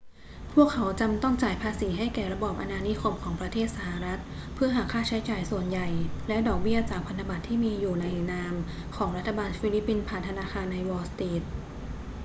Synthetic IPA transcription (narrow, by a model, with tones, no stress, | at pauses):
pʰu˥˩əkʰːa˩˦wt͡ɕa˧mt̪ɔ˥˩ŋt͡ɕaː˨˩jpʰaː˧siː˩˦ɦa˥˩jkɛː˨˩ɾa˧bɔː˨˩p̚ʔa˧naː˧ni˦˥kʰo˧mkʰɔː˩˦ŋpɾa˧t̪ʰeː˥˩t̪̚sa˧ha˨ɾa˦˥t̪̚ | pʰɯ˥˩ɐɦaː˩˦kʰaː˥˩t͡ɕʰa˦˥jt͡ɕaː˨˩jsu˨˩ənja˨˩jlɛ˦˥dɔː˨˩k̚bi˥˩ɐt͡ɕaː˨˩k̚pʰa˧nt̪ʰa˧ba˨˩t̪ʰːiː˥˩miː˧juː˨˩na˧jnaː˧m | kʰɔː˩˦ŋɾa˦˥t̪ʰːa˧baː˧nfi˧˦li˦˥pːi˧npʰaː˨˩nt̪ʰa˧naː˧xʰaː˧nːa˧jwɔː˧st̪eː˦˥t̪̚